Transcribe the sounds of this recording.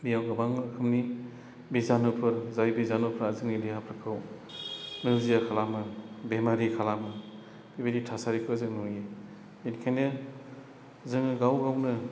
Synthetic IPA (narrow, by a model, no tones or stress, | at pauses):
bijawɡabaŋɯːkʰɯmni | bizanupʰɯɾzajbizanupʰɾazɯŋniliɦapʰɾɯkʰɯw | nɯzijakʰalamɯbemaɾikʰalamɯ | bibeɾitʰasaɾikʰɯzɯŋnuji | inkʰajnɯ | zɯŋɡawɡawnɯ